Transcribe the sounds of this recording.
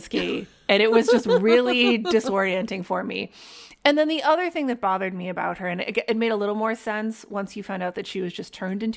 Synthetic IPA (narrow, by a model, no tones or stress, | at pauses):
ski | ɨ̃ɾ̃ɨt̚wʌzd͡ʒʌst̚ɹɪlˠidɨsɔɹiɨ̃ntɪ̃ŋfə˞mḭɨ̃nðɨ̃nðiʔʌðə˞θɪ̃ŋðɨt̚b̥ɑðə˞d̚miɨbaʊt̚hə˞ɨ̃nɨɡɨt̚meɪɾəlɪɾl̩ˠmɔɹsɛ̃nswʌ̃nsjɨfãʊ̃ndaʊt̪̚ðɨtʃiwʌzd͡ʒʌstʰɜ̃˞ndɪ̃nt